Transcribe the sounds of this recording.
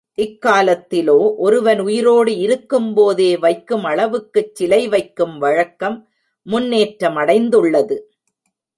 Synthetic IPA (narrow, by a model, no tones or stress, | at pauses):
ʔɪkːaːlɐt̪ːɪloːʔɔɾɯʋɐnʊjɪɾoːɽɯɪɾɯkːɯmpoːðeːʋɐɪkːɯmɐɭɐʋɯkːɯt͡ʃːɪlɐɪʋɐɪkːɯmʋɐɻɐkːɐmː | ʊnːeːʈɾɐmɐɽɐɪnd̪ɯɭːɐðɯ